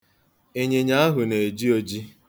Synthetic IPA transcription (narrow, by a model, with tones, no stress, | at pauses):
e˦˨ɲe˨ɲa˦a˦ɦʊ˨ne˨e˨d͡ʒi˦o˦d͡ʒi˦